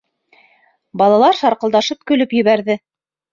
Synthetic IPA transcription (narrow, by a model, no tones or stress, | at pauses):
bɑlˠɑlˠɑɾʃɑɾqɤ̆ld̪ɑʃɤp̚kɵ̆lɵpjɵ̆βæɾðɘ